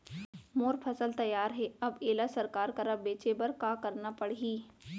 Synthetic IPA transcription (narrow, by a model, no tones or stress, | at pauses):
moːɾpʰɐsəlt̪ɐjːaːɾɦɛɐbeːlasɐɾkaːɾkɐɾəbeːt͡ʃebɐɾkaːkɐɾnapɐɽiː